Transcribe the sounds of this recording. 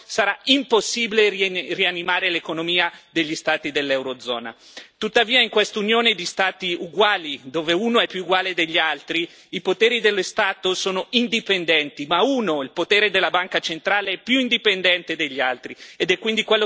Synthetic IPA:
saɾaimposːiːbilerianːimaːɾelekonomiːad̪eʎːist̪aːt̪id̪elːɛwɾod̪zːɔ̰ːna̰ | t̪ut̪ːaviːaiŋkwest̪unjoːned̪ist̪aːt̪iuɡwaːlid̪oːveuːnoɛpːjuːɡwaːled̪eʎːialt̪ɾi | ipot̪eːɾid̪elːost̪aːt̪osoːnoind̪ipend̪ɛnt̪imauːnoilpot̪eːɾed̪elːabaŋkat͡ʃent̪ɾaːleɛpːjuind̪ipend̪ɛnt̪ed̪eʎːialt̪ɾied̪ɛkːwind̪ikwelːo

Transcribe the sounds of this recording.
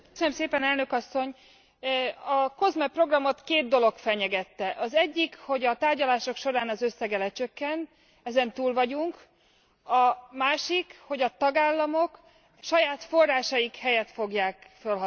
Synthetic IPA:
øsønømseːpɛnɛlnø̞kɒsːo̞ɲ | ɒko̞zmɛpro̞ɡrɒmo̞t̪keːd̪̚d̪o̞lo̞kfɛɲɛɡɛt̪ːɛʔɒzɛɟːikho̞ɟɒt̪aːrɟɒlaːʃo̞kʃo̞ɾaːnɒzø̞sːɛɡɛlɛt͡ʃøkːɛn | ɛzɛnt̪uːlvɒɟuŋk | ɒmaːʃikho̞ɟɒt̪ɒɡaːlːɒmok | ʃɒjaːt̪fo̞rːaːʃɒjikhɛjɛt̪fo̞ɡjaːkfølɦɒ

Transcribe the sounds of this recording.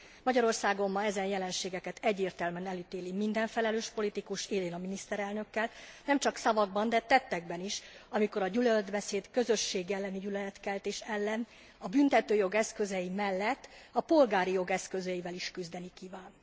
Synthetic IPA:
mɒɟɒɾo̞rsaːɡo̞mːɒɛzɛnjɛlɛnʃeːɡɛkɛt̪ʰɛɟːeːrt̪ɛlmɛnɛlyt̪eːlimind̪ɛɱfɛlɛløːʃpo̞lit̪ikuʃeːleːnɒminist̪ɛɾɛlnø̞kːɛlnɛmt͡ʃɒksɒvɒɡ̚bɒnd̪ɛt̪ɛt̪ːɛɡ̚bɛniʃɒmiko̞ɾɒɟylød̪bɛseːd̪kø̞zø̞ʃːeːɡːɛlːɛniɟylɛlɛt̪kɛlt̪eːʃɛlːɛn | ɒbynt̪ɛt̪øːjo̞ɡɛskø̞zɛjimɛlːɛt̪ːɒpo̞lɡaːɾijo̞ɡɛskø̞zøivɛliʃkyzd̪ɛnikivaːn

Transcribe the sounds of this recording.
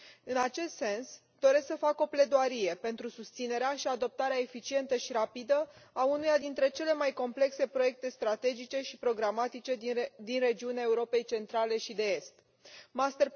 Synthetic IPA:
ɨnat͡ʃe̞st̪se̞ns | d̪̥o̞ɾe̞sksəfako̞ple̞d̪oaɾije̞pe̞nt̪ɾusust̪sine̞ɾeaʃiad̪o̞p̚t̪aɾeaefit͡ʃie̞nt̪əʃiɾapid̪əaunujad̪int̪ɾe̞t͡ʃe̞le̞majko̞mple̞kse̞pɾo̞je̞k̚t̪e̞st̪ɾat̪e̞d͡ʒit͡ʃe̞ʃipɾo̞ɡɾamat̪it͡ʃe̞d̪inre̞d͡ʒiuneae̞uɾo̞pe̞jt͡ʃe̞nt̪ɾale̞ʃid̪e̞e̞st̪ | mast̪er

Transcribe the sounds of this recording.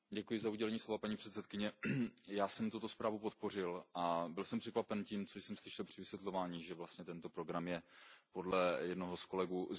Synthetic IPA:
ɟɛkujɪzauɟɛlɛɲiːslovapaɲiːpr̥ɛt̪sɛt̪kɪɲɛjaːsɛmt̪ut̪o̞spɾaːvupo̞t̪̚po̞r̝ɪlʔabɪlsɛmpr̝̥ɛkvapɛnciːmt͡soʃsɛmslɪʃɛlpr̝̥ɪvɪsvjɛt̪lo̞vaːɲiːʒɛvlast̪ɲɛt̪ɛnt̪o̞pɾo̞ɡɾamjɛpodlɛjɛdnoɦosko̞lɛɡuː

